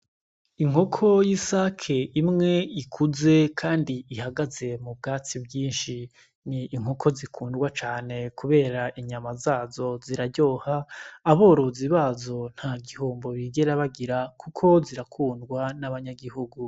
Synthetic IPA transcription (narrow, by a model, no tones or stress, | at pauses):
iŋ̥ho̞kʰo̞jisakʰeʔimŋe̞ikʰuze̞kʰaːndiihaɡaze̞mub̚ɡaːt͡sibɟiːnʃi | niːŋ̥okʰo̞zikʰuːndɡwat͡ʃaːne̞kuβe̞ːɾaʔiɲamazaːzo̞ziɾaɟo̞ːhaːβo̞ːɾo̞ziβazo̞n̥haɡihoːmbo̞βiɡe̞ɾaβaɡiɾakukʰo̞ziɾakʰuːndɡwanaβaɲaɡiɦuɡu